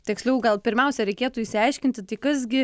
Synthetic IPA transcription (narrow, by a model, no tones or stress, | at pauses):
t̪ʲɛksʲlʲɛʊɡɐlˠpʲɪɾʲmʲɛʊsʲɛɾʲɛɪkʲeːt̪uːiʃsʲɪɐɪʃʲkʲɪnʲt̪ʲɪt̪ɐɪkɐsɡʲɪ